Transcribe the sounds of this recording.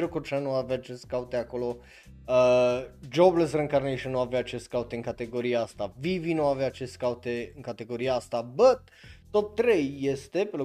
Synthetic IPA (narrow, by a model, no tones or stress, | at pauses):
eɾukut͡ʃanuaveat͡ʃeskaut̪eako̞lo̞ | əd͡ʒobles̬reŋkarnejʃənːuaveat͡ʃeskaut̪eɨŋkat̪e̞ɡo̞ɾieast̪avivinuaveaːt͡ʃeskaut̪eɨŋkat̪e̞ɡo̞ɾijaast̪abət̪ | t̪o̞p̚t̪ɾejːest̪e̞pelo